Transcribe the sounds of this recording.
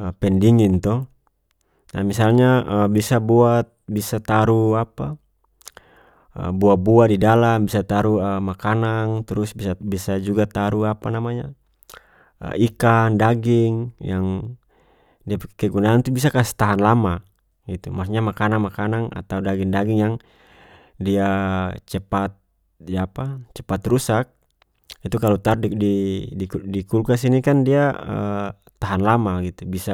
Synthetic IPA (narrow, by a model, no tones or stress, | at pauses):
əpɛndiŋint̪ɔ | na̰misalɲaəbisabuat̪̚bisat̪aɾuapa | ə̰buabuadidalambisat̪aɾuəmakanaŋt̪ɾusbisabisad͡ʒuɡat̪aɾuapanamaɲa̰ | ə̰ikandaɡiŋjaŋ | diakɛɡunaːnt̪ubis̬akast̪aɦanlama | ɡit̪umasɲamakanaŋmakanaŋa̰t̪audaɡiŋdaɡiŋjaŋ | diat͡ʃɛpat̪̚ | japat͡ʃɛpat̪rusak̚ | it̪ukalɔt̪aɾddiidikulkas̬inikandiaə | t̪aɦanlamaɡit̪ubisa